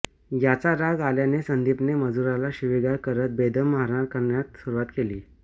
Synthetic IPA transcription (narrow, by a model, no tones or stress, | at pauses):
jat͡saɾaɡaljanesənd̪ipneməd͡zuɾalaɕiʋiɡaɾkəɾət̪̚bed̪əmːaɾɳaɾkəɾɳjat̪suɾuʋat̪keliː